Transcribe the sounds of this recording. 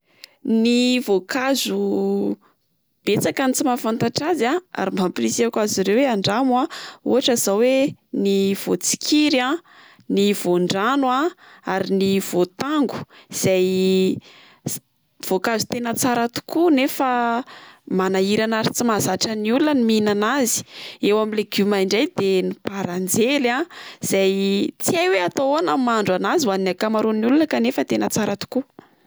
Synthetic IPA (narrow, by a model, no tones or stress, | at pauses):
nivokazu | b̥et͡sakanit͡simafant̪aʈ͡ʂazaa̰ɾimbamplisiakaziɾeweaɳɖ͡ʐamwaṵɦaʈ͡ʂəzaweniv̥ot͡si̥kʰiɾã | niv̥oɳɖ͡ʐanuaaɾiniv̥ot̪aŋɡu̥iz̥aj | v̥okazu̥t̪enət͡saɾat̪u̥kunefa | manaiɾanaɾit͡simazaʈ͡ʂəniulunəniminanazi̥ewamileɡumajɳɖ͡ʐajd̪enipaɾand͡zelãz̥ajt͡siajweat̪oonamaɳɖ͡ʐanaziwaninakamaɾuniulunəkanefət̪enət͡saɾat̪u̥ku